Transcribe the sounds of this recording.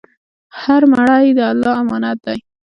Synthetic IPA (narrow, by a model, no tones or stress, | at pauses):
haɾmaɽajd̪əalːɑamɑnat̪̚d̪aj